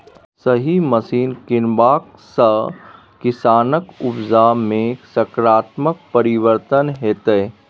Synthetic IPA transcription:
səɦiməsiːnkɪnbaːk | sə | kɪsaːnəkʊbzamẽsəkɾaːt̪mək̚pəɾɪʋəɾt̪ənɦeːt̪ə

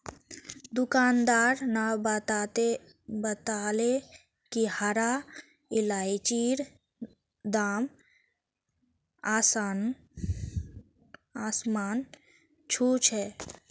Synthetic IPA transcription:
d̪ʊkaːnd̪aːɾna | e | bət̪aːle | kihaɾa | ɪlaːit͡ʃiːɾ | d̪aːm | aːsan | aːsmaːn | t͡ʃʰuːt͡ʃʰɛː

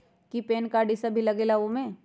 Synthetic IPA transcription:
kipeːnkaɖisabʱilɐɡeːlaʋomẽ

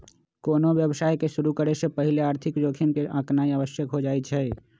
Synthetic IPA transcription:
koːnoʋjəbsaːjkeʃuɾukəɾesepəɦɪleaːɾt̪ʰɪkd͡ʒoːkʰinkeʔãknaːiəbəsjəkɦod͡ʒaːɛt͡ʃʰɛ

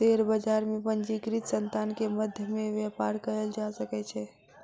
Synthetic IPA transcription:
t̪eɾbəd͡ʒaɾmepənd͡ʒikɾit̪sənt̪ankeməd̪ʱjəmeʋjɛpaɾkəɾəld͡ʒasəkɛt͡ʃʰɛ

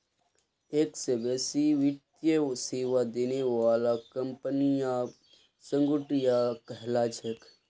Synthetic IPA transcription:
eːksebeːsiʋɪt̪jəseːʋad̪eːneʋaːlakəmpənijã | sə̃ŋɡʊʈijakəɦlaːt͡ʃʰek

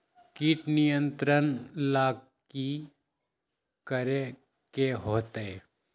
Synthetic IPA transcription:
kiːʈnijə̃nt̪ɾənlaː | ki | kəɾe | keɦoːt̪ee

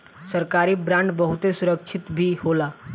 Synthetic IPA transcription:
səɾkaːɾibɾãɳɖbəɦʊt̪esʊɾək̚t͡ʃʰɪt̪bʱihoːlaː

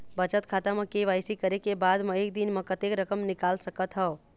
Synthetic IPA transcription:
bət͡ʃət̪kʰaʈamekeʋajsikəɾekebad̪meek̚d̪inmekət̪ekɾəkəmnikalsəkət̪ɦə

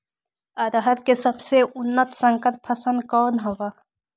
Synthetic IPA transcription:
ɐɾɦəɾkesɐbseʔʊnːət̪sə̃ŋkəɾpʰɐsə̃nd̪kɔːnɦowa

